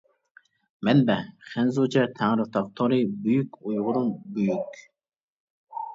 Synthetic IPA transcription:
mɛnbɛχɛnzud͡ʒɛt̪ʰæŋɾut̪ʰɑq̚t̪ʰoɾibyjykʲujʁʊɾunbyjykʲ

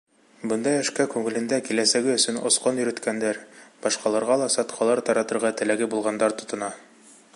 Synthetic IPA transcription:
bɤ̆nd̪ɑjæ̆ʃkækʉŋɘ̆lɘ̆nd̪ækilæsæɡɘɵ̆sɵnŏ̰sqonjɵ̆ɾɘ̆t̪kænd̪æɾb̥ɑʃqɑlˠɑɾʁɑlˠɑsɑt̪qʰɑlˠɑɾt̪ɑɾɑt̪ɤ̆ɾʁɑt̪ɘ̆læɡɘbulˠʁɑnd̪ɑɾt̪ŏt̪ŏnɑ

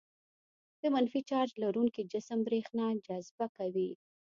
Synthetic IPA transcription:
d̪̥əmanfit͡ʃɑɾd͡ʒlaɾuŋkid͡ʒɪsəmbɾexnad͡ʒazbakawi

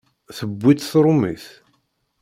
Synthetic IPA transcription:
θəbːit̪θɾˤʊmiθ

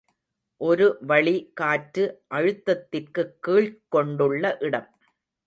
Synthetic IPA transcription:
ʔɔɾɯʋɐɭikaːʈɾɯʔɐɻɯt̪ːɐt̪ːɪrkɯkːiːɭkːɔɳɖɯɭːɐʔɪɽɐm

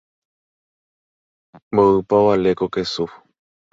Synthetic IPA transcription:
moɨpaβalekokesu

